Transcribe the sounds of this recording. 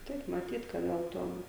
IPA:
ˈtɐɪp mɐˈtʲiːt kɐ ˈɡɐlˠ ˈtuɔm

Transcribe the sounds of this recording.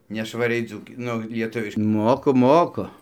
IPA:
nʲɛʃʋɐˈrʲɛɪ ˈd͡zuːkʲɪ ˈnʊ lʲiɛˈtʊʋʲɪʃ ˈmoːkʊ ˈmoːkʊ

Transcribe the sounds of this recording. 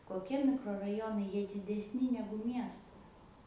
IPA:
koːˈkʲiɛ mʲɪkroːrɐˈjoːnɐɪ ˈjiɛ dʲɪdʲɛsʲˈnʲɪ ˈnʲæːɡʊ ˈmʲiɛstɐs

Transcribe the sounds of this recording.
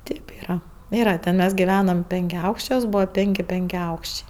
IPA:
ˈtʲeːp ˈiːrɐ ˈiːrɐ tʲɛn ˈmʲɛs ɡʲɪˈʋʲæːnɐm pʲɛŋʲkʲɛˈɐʊkʃʲt͡ʃʲuɔs ˈbuːʋɐ ˈpʲeːŋʲkʲɪ pʲɛŋʲkʲɛˈɐʊkʃʲt͡ʃʲɛɪ

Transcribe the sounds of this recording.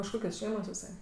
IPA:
ɪʃ ˈkoːkʲoːs ˈʃʲɛɪmoːs ɪˈsɐɪ

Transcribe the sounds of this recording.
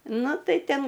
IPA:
ˈnʊ ˈtɐɪ ˈtʲɛn

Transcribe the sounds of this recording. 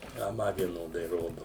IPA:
ɐ ˈmɐ ʋʲiɛˈnoːdɐɪ ˈroːdʊ

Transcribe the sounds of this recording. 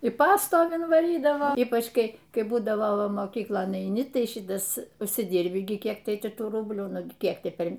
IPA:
ɪ ˈpɑːstoːʋʲɪn ʋɐˈrʲiːdɐʋɐ ˈiːpɐt͡ʃ ˈkɐɪ ˈkɐɪ ˈbuːdɐʋoː ˈʋɐ moːˈkʲiːklˠoːn ɛɪˈnʲɪ ˈtɐɪ ˈʃʲɪtɐs ʊʃʲsʲɪˈdʲɪrʲbʲɪ ɡʲɪ ˈkʲiɛk ˈtɐɪ ˈtʲɪ ˈtuː ˈrʊbʲlʲuː ˈnʊɡʲɪ ˈkʲiɛk ˈtʲɪ ˈpʲɛr

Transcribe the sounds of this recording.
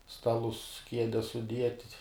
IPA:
ˈstɑːlˠʊs ˈkʲiɛdʲɛs sʊˈdʲiɛtʲ

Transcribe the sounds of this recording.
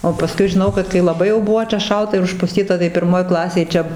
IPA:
oː pɐˈskʊɪ ʒʲɪˈnɐʊ kɐt kɐɪ lˠɐˈbɐɪ jɛʊ ˈbʊʋoː t͡ʃʲɛ ˈʃɐlˠtɐ ɪr ʊʃpʊˈsʲtʲiːtɐ tɐɪ pʲɪrˈmoːj ˈklˠɑːsʲeːj ˈt͡ʃʲɛ

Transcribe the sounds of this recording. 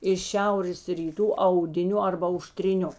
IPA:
ɪʃ ˈʃʲɛʊrʲeːs rʲiːˈtuː ɐʊdʲɪˈnʲʊ ɐrbɐ ɐʊʃʲtʲrʲɪˈnʲʊ

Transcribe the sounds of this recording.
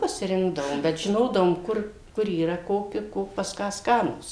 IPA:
pɐsʲɪˈrʲɪŋɡdɐʋoːm bʲɛt ʒʲɪˈnoːdɐʋoːm ˈkʊr ˈkʊr iːˈrɐ ˈkoːkʲɪ ˈkoː pɐs ˈkɑː ˈskɑːnuːs

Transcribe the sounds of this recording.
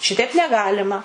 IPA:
ˈʃʲɪtʲɛɪp nʲɛˈɡɑːlʲɪmɐ

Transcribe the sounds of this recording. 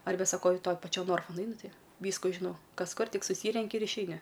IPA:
ˈɐrʲbʲɛ sɐˈkɐʊ ɪ ˈtoːj pɐˈt͡ʃʲoː ˈnoːrfʊ nʊˈɐɪnʊ ˈtʲɪ ˈʋʲiːskʊ ʒʲɪˈnɐʊ ˈkɐs ˈkʊr ˈtʲɪk sʊˈsʲiːrʲɛŋʲkʲɪ ɪr ɪʃʲɛɪˈnʲɪ

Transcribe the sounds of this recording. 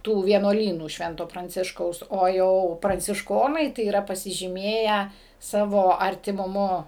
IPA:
ˈtuː ʋʲiɛnuɔˈlʲiːnuː ˈʃʲʋʲɛntoː prɐnʲˈt͡sʲɪʃkɐʊs oː ˈjɛʊ prɐnʲt͡sʲɪʃˈkoːnɐɪ tɐɪ iːˈrɐ pɐsʲɪʒʲiːˈmʲeːjæː ˈsɑːʋoː ɐrʲtʲɪmʊˈmʊ

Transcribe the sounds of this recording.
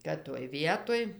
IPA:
kɐt toːj ˈʋʲiɛtoːj

